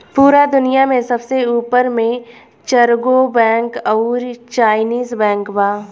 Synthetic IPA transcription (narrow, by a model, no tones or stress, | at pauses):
puːɾad̪ʊnijamẽsɐbseuːpəɾmẽ | t͡ʃɐɾɡobɛ̃ːŋkɔʊɾt͡ʃaːɪniːzbɛ̃ːŋkbaː